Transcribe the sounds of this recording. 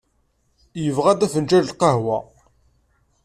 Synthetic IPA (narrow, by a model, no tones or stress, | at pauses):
jəvʁæd̪æfənt͡ʃæləlqɑhwæ